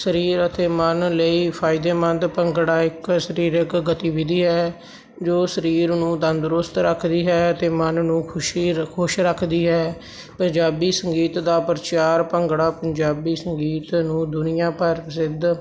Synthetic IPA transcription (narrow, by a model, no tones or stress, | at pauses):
səɾiːɾət̪ʰeːmənləiːpʰaːɪd̪eːmənd̪pəŋɡɽaːɪksəɾiːɾəkɡət̪iːʋɪd̪iːɦɛː | d͡ʒoːsəɾiːɾnũːd̪ənd̪ɾʊst̪ɾəkʰd̪iːɦɛːət̪eːmənnũːkʰʊʃikʰʊʃɾəkʰd̪iːɦɛː | pəɲd͡ʒaːbiːsəŋɡiːt̪d̪aːpəɾt͡ʃaːɾpəŋɡɽaːpəɲd͡ʒaːbiːsəŋɡiːt̪nũːd̪ʊnɪjãːpəɾsɪd̪